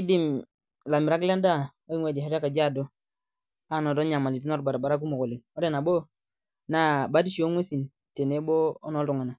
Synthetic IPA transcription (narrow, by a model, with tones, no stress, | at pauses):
i˦di˨m | la˨miɾa˦kla˦nda˦ | o˦i˦ŋwe˨di˨a˦ɾa˦ka˨d͡ʒa˦˨do˦ | a˦no˨do˦ɲa˨ma˨li˨ti˦no˦ɾba˨ɾa˨ba˨ɾa˦k̬u˦mo˨ko˨li˨ŋo˦de˦˨na˨bo˦ | na˦ba˨˦di˦ʃi˨o˦ŋwe˦si˨n | te˨ne˦boː˦no˦ldu˨ŋa˨na˨